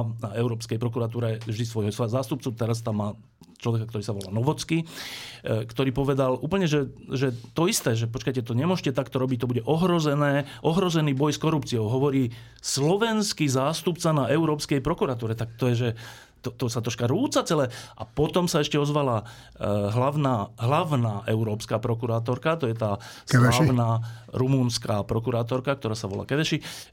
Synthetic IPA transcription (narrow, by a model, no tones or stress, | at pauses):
naɛʊɾɔːpskɛjpɾɔkuɾat̪uːɾɛvʒd̪is̬ʋɔjɦɔsazaːst̪upt͡sut̪ɛɾas̬t̪amːaː | t͡ʃlɔʋɛkakt̪ɔɾiːsaʋɔla̰ːnɔʋɔt͡ski | kt̪ɔɾiːpɔʋɛd̪aluːpl̩ɲɛʒɛʒɛt̪ɔist̪ɛːʒɛp̬ɔt͡ʃkajcɛt̪ɔɲɛmʊɔʒʃcɛt̪akt̪ɔɾɔbic̚t̪ɔbuɟɛʔɔɦɾɔzɛnɛːʔɔɦɾɔzɛniːbɔjskɔɾupt͡siɔʊɦɔʋɔɾiː | slɔʋɛnskizaːst̪upt͡sanaʔɛʊɾɔːpskɛjpɾɔkuɾat̪uːɾɛt̪ak̚t̪ɔjɛʒɛ | t̪ɔt̪ɔsat̪ɾɔʃkaɾuːt͡sat͡sɛlɛːʔa̰pɔt̪ɔmsaɛʃcɛɔzʋala | ɦlaʋnaːɦlaʋnaːʔɛʊɾɔːpskaːpɾɔkuɾaːt̪ɔɾkat̪ɔjɛt̪aːsɛlɛaʊnaːɾumuːnskaːpɾɔkuɾaːt̪̬ɔɾkak̚t̪ɔɾaːsaʋɔ̰la̰ːkɛʋɛʃi